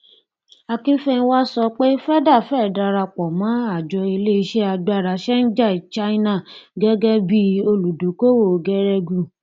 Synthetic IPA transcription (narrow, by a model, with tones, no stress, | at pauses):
a˧kĩ˦n̩˦fɛ˦ñ̩˦wa˦sɔ˧k͡pe˦fɛ˦da˦˨fɛ˦˨da˧ɾa˧k͡pɔ˨mã˨˦a˦˨d͡ʒɔ˧i˧le˦i˦˧ʃe˦a˧ɡ͡ba˧˨ɾa˨˦ʃɛ˦n̩˦d͡ʒa˦˨i˨t͡ʃa˦i˦nã˦˨ɡɛ˦ɡɛ˦bi˧o˧lu˨du˨˦ko˦wo˦˨ɡɛ˦ɾɛ˧ɡu˧˨